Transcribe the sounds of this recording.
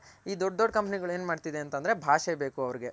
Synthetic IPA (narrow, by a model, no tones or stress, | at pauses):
iːd̪ɔɖ̚d̪ɔɖkɐmpniɡɐɭue̞ːnmaːɖt̪id̪eɐnt̪ɐnd̪ɐɾebʱaːʃɛbe̞ːkuɐʋɐɾiɡe̞